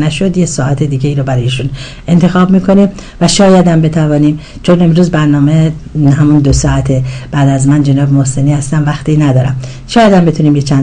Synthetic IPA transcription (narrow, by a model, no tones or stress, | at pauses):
næʃo̞d̪jesɒːʔæt̪ʰed̪iːɟeiːɾobæɾɒːjiʃun | ʔe̞nt̪ʰe̞xɒːbmiːkʰo̞nim | væʃɒːjæd̪æmbe̞t̪ʰævɒːniːm | t͡ʃʰo̞ne̞mɾuːzbæɾnɒːme | ɦæmund̪osɒːæt̪ʰeb̥æːd̪æzmænd͡ʒenɒːbemohse̞niːhæst̪æmvæxt̪ʰiːnæd̪ɒːɾæ̰m | ʃɒːjæd̪æmbe̞t̪uniːmjet͡ʃʰæn